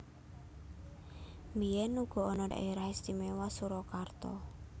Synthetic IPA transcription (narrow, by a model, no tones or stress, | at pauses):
miɛnuɡ̥ɔ̤ɔnɔda̰ʔiɾahest̪imewasuɾɔkart̪ɔ̰